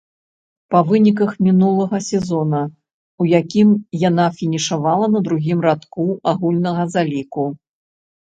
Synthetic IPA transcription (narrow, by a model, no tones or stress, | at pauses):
pɐvɨnʲik̬ɐxmʲinulˠɐɣɐsʲɛzɔnɐ | ujakʲimjanafʲinʲiʂavalˠɐnɐd̪ɾuɣʲimrat̪kuaɣulʲnɐɣɐzalʲiku